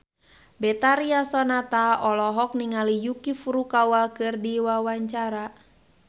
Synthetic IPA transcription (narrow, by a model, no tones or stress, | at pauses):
bɛt̪aɾiasɔnat̪aɔlɔɦɔk̚niŋalijukifuɾukawakɨrdiwawaɲt͡ʃaɾa